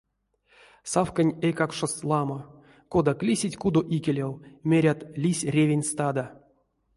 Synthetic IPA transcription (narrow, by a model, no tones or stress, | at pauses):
safkanʲejkakʂoslˠama | kod̪aklʲisʲitʲkud̪oʔikʲelʲawmʲeɾʲat̪lʲisʲrʲevʲenʲst̪ad̪a